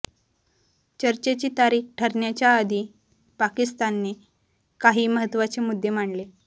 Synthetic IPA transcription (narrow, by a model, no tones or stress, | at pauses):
t͡ɕəɾt͡ɕet͡ɕiːt̪aɾiːkʈʰəɾɳjat͡ɕjaəd̪ʱiː | pakist̪anːiː | kaɦiːməɦət̪ːʋat͡ɕemud̪ʱːem̤aɳle